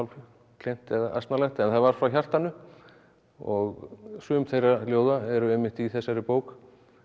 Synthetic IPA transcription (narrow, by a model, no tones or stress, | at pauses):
wl | kʰlejn̥t̪ɛðaʔa̰st̪nalɛnt̪ɛnθaðvaɾ̥fɾawçjar̥t̪anːʏ | ɔɣsʏːmθejraljoːwðaɛɾʏɛjmːɪht̪iθɛsːaɾɪpoːwk